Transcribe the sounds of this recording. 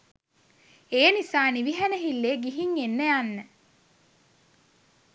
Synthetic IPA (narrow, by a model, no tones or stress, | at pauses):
eːnisaːniʋiɦænəɦilːeːɡiɦiŋenːəjanːə